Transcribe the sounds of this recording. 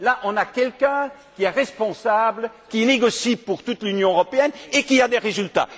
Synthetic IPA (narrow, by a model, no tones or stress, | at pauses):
laʔɔ̃nakʲɛlkɛ̃kʲiɛʁɛspɔ̃sabl | kʲiɛneɡɔsipuʁt̪ut̪lynjɔ̃øʁɔpeɛnekʲiad̪eʁezylt̪a̰